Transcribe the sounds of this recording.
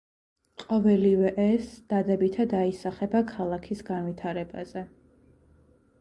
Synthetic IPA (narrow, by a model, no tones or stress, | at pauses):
qʼɔvɛlivɛʔɛsd̪̥ad̪ɛbit̪ʰad̪aisaχɛbakʰalˠakʰisɡanvit̪ʰaɾɛba̰z̥ɛ